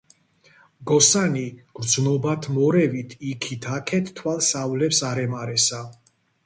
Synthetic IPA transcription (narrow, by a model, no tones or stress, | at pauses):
ɡɔsaniɡ̥ɾd̪znɔbat̪ʰmɔɾɛvit̪ʰikʰit̪ʰakʰɛt̪ʰt̪ːʰwalˠsavlɛpsaɾɛmaɾɛsa